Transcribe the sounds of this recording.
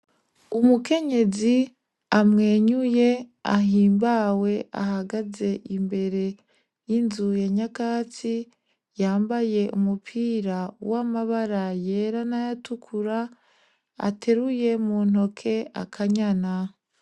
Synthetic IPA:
umuke̞ɲe̞zi | amŋe̞ːɲuje̞a̰ɦiːmbawe̞a̰haɡaze̞ʔimbe̞ɾe̞ | jinzuje̞ɲakaːt͡si | jaːmbaje̞ʔumupʰiːɾawamaβaɾaje̞ːɾanajatukʰuɾa | a̰tʰe̞ɾuje̞muːn̥o̞kʰe̞a̰kʰaɲana

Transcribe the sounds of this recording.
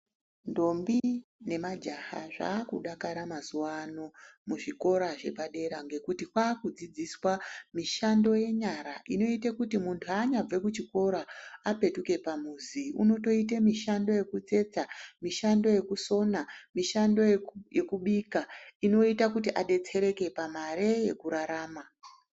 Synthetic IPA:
ndo̞mbine̞mad͡ʒaha̰ʐa̰ːkuɗakaɾamazuwano̞muʐiko̞ɾaʐe̞paɗe̞ɾaŋɡe̞kutikwaːkud͡zid͡ziswamiʃando̞je̞ɲaɾaʔino̞itekutimuntʰuaːɲab͡ve̞kut͡ʃiko̞ɾaːpe̞tuke̞pamuziṵno̞to̞it̬emiʃando̞je̞kut͡se̞t͡samiʃando̞je̞kuso̞namiʃando̞je̞kuɓikaino̞itakutiʔaɗe̞t͡se̞ɾe̞ke̞pamaɾe̞je̞kuɾaɾaːma

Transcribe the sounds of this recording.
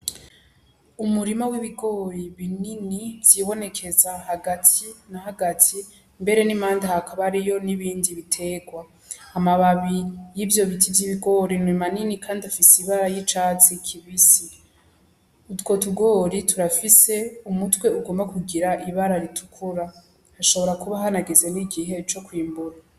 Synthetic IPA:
umuɾimawiβiɡo̞ːɾiβininivz̥iːβo̞ne̞kʰe̞zahaɡatʰinahaɡatʰi | mbe̞ɾe̞nimaːndahakaβaɾijo̞niβiːndiβitʰe̞ːɡwaː | maβaβijivjo̞βitivjiβiɡo̞ːɾinwimaninikʰaːndiafisiβaɾajit͡ʃat͡sikʰiβisi | utwo̞tuɡo̞ːɾitʰuɾafise̞umutwe̞uɡo̞ːmbakuɡiɾaʔiβaɾaɾitʰukʰuɾa | haʃo̞βo̞ɾakuβaɦanaɡe̞ze̞niɡiɦe̞t͡ʃo̞kwiːmbuɾa

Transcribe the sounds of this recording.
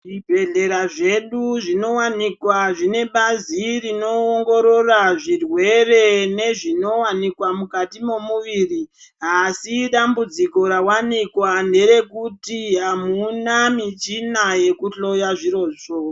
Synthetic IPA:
ʐibʱe̞ɮe̞ɾaʐe̞ɗuʐino̞wanikwaʐine̞ɓazirino̞ːŋɡo̞ɾo̞raʐirwe̞re̞ne̞ʐino̞wanikwamukatimo̞muʋiːri | ɦasiɗambud͡ziko̞ɾawanikwande̞ɾe̞kutiɦamunamit͡ʃinaje̞kuɬo̞jaʐiro̞ːʂo

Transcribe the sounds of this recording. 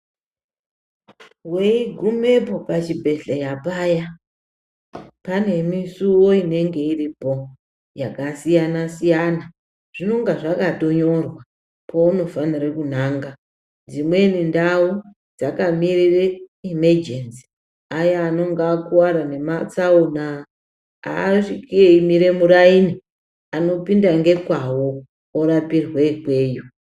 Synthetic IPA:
weiɡʱume̞po̞pat͡ʃibʱe̞ɬajapaːja | pane̞misuwo̞ine̞ŋɡe̞iripo̞ | jakasijanasijana | ʐ̥ino̞ŋɡaʐakato̞ɲo̞rwa | pʰo̞uno̞fanirekun̤aːŋɡa | d͡zimwe̞nindau | d͡zakamirireimed͡ʒensi̥ | ajaːno̞ŋɡakuwaɾane̞mat͡sauna | a̰ʂikieimiɾe̞muɾaini | ano̞pindaŋɡe̞kwawo | oɾapirweikwe̞ːjo

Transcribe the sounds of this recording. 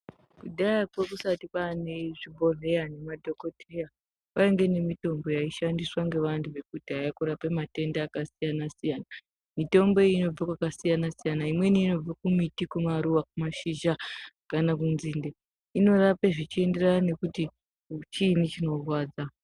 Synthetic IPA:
kuɗajakwekusatipaneʐibʱo̞re̞jane̞madʱo̞kotija | paeŋɡe̞ne̞mito̞mbo̞jaiʃandiswaŋɡe̞ʋantʰuʋe̞kutiɦajakuɾapemate̞ndaːkasijanasijana | mito̞mbo̞eino̞b͡vakwakasijanasijanaimwe̞niːno̞b͡vakumitikumaɾuʋakumaʃiʒa | kanakunzinde | ino̞rapeʐit͡ʃie̞nde̞rane̞kuti | t͡ʃinit͡ʃino̞rwaːd͡za

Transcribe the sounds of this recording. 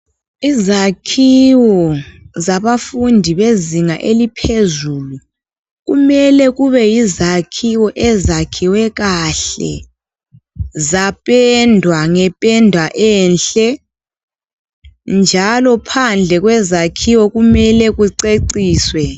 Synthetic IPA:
izakʰiwɔzaβafundʱiβeziŋaʔelipʰezulu | ɣumɛlɛɣuβɛjizakʰiwɔʔɛzakʰiwɛɣaɬɛ̰ | zapʼɛndʱwaŋɛpʼɛndʱwaʔɛːnɬɛ | nd͡ʒʱalɔpʰand͡ɮʱɛɣwɛzakʰiwɔɣumɛlɛɣuǀeǀiːswɛ

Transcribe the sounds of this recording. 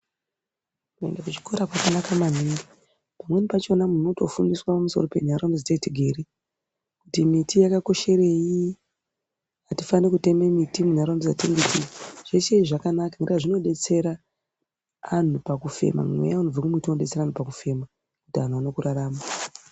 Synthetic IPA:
kue̞̰ndakut͡ʃi̥ko̞ɾakwakanakamanii | pamwe̞nipat͡ʃo̞namuno̞to̞fundiswapamuso̞̰ro̞pe̞n̤aɾomid͡zataitiɡʱe̞ɾe | kutimitijakako̞ʃe̞ɾe̞ji | atifanekute̞memitimunaɾaonbid͡zateŋɡetiʐ̥et͡ʃeiʐakanakaŋreaʐino̞ɗe̞t͡se̞ɾa | n̤upakufe̞̰ma̰mwḛjaunob͡vekumitinoɗe̞t͡se̞ɾaanupakufe̞ma | kutian̤uano̞kuɾaɾaːma

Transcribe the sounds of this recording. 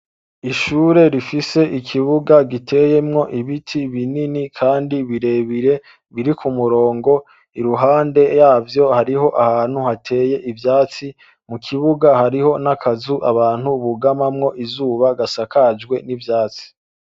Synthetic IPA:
iʃuːɾe̞ɾifise̞ʔikʰiβuɡaɡitʰe̞je̞mŋo̞ʔiβitʰiβininikʰaːndiβiɾe̞βiɾe̞ | βiɾikʰumuɾo̞ːŋɡo̞ | iɾuɦaːnde̞jaːvjo̞haɾiɦo̞ʔahaːn̥huhatʰe̞ːje̞ʔivjaːt͡si | mukʰiβuɡahaɾiho̞nakʰazuʔaβaːn̥huβuɡamamŋo̞ʔizuːβaɡasakʰad͡ʒɡwe̞nivjaːt͡si̥

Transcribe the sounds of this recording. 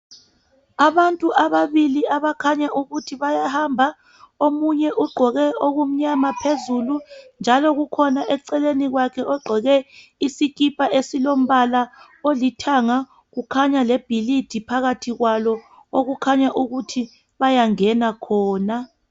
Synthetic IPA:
aβantʼuʔaβaβiliaβakʰaɲaʔuɣutʰiβajahambʱa | omuɲɛʔuɡ͡ǃʱɔɣɛoɣum̩ɲamapʰezulund͡ʒʱalɔɣukʰɔnaʔɛǀɛleniɣwakʰɛʔɔɡ͡ǃʱɔɣɛisik̬ipʼaʔesilom̩βala | olitʰaŋa | ɣukʰaɲaleb̥ʱilid̥ʱipʰaɣatʰiɣwalɔ | oɣukʰaɲaʔuɣutʰi | βajaŋɛnakʰɔːna

